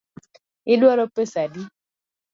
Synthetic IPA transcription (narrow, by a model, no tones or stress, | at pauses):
ɪdwɔɾopesadi